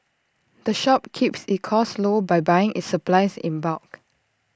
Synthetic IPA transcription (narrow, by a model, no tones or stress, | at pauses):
d̪̥əʃɔp̚kʰipsit̚kʰɔslobajbajɪ̃ŋʔḭtsəplaɪsḭ̃nbak